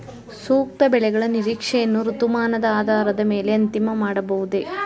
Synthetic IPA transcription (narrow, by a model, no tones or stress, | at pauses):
suːk̚t̪ɐbɛɭɛɡɐɭɐniɾiːkʂɛjɐnːuɾut̪umaːnɐd̪ɐaːd̪ʱaːɾɐd̪ɐme̞ːle̞ɐnt̪imɐmaːɽɐbɐʋud̪e̞